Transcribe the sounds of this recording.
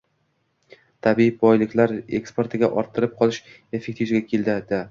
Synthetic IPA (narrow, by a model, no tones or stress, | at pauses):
t̪ʰabiibɒjlɪkʲlaɾe̞̰kspoɾt̪ʰɪɡʲaʔɒɾt̪ʰːɪɾɪp̚qʰɒlˠɪʃ | e̞fe̞k̚ʲt̪ʰivɡʲakʲʰe̞ld̪ɪd̪a